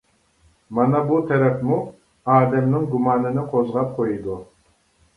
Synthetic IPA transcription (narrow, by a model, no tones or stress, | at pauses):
mɑnɑbut̪ʰɛɾɛfmu | ɑːd̪ɛmnɪŋɡumɑːnɨnɪqʰozʁɑp̚qʰojid̪u